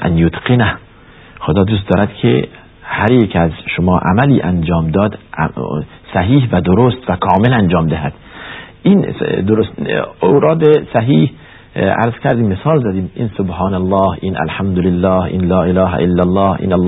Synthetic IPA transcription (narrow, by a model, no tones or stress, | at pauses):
ʔæ̰njot̪qenæh | xod̪ɒːd̪us̬t̪d̪ɒːɾæd̪kʰḛ | hæɾjekʰæzʃomɒːʔæ̰mæliːʔænd͡ʒɒːmd̪ɒːd̪̰ | sæɦiːɦvæd̪oɾost̪vækʰɒːmelænd͡ʒɒːmd̪eɦæd̪̥ʔind̪oɾosowɾɒːd̪esæɦiːh | æ̰ɾzkʲʰæɾd̪iːmːesɒːlzæd̪iːmḭːnsobhɑːnælˠːɑːhinʔæ̰lħamd̪olelːɑːhʔḭːnlɒːʔelɑːɦʔelːælːɑːhʔḭnælː